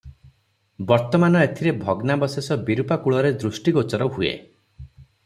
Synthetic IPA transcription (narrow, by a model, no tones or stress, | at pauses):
bɔɾt̪ɔmanɔet̪ʰiɾebʱɔɡnabɔsesɔbiɾupakuɭɔɾed̪ɾusʈiɡot͡ʃɔɾɔɦuḛ